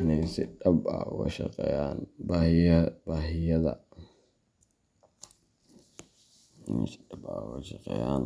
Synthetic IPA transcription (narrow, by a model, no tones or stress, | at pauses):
ɪnɛjsɪɖɐbɐ̰wɑʃɐ̰qɛ̰ːjaːnbaːhɪjbaːɦɪjɐðɐ̰ | ɪnɛ̰jsɪ̥dɐbɐwɛʃɐqɛ̰ːjaːn